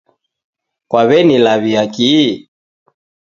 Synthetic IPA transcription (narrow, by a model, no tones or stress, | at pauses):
kwaβɛnilaβiaki